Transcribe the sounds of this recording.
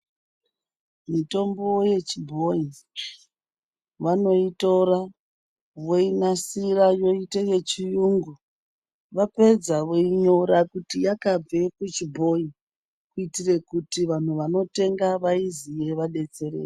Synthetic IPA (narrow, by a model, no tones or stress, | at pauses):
mito̞mboje̞t͡ʃibʱo̞i | ʋano̞ito̞ra | ʋoinasirajo̞iteje̞t͡ʃijuːŋɡu | ʋape̞d͡zaʋoiɲo̞ɾakutijakab͡ve̞kut͡ʃibʱo̞i | kuitire̞kutiʋan̤uʋano̞te̞ŋɡaʋaizije̞ʋaɗe̞t͡se̞rḛːre